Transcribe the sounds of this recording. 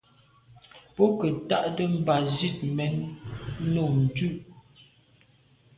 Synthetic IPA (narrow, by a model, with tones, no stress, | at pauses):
pɔ˦kə˨ta˦˨ʔdə˦m̩˦˨ba˨zi˦˨t̚mɛ˨˦n˦ | no˨n̩˨tʉ˦˨ʔ